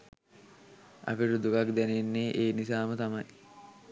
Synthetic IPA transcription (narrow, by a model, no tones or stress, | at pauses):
ɐ̰piɾud̪ukakd̪ænenːeʔeːnisaːmət̪ɐmɐj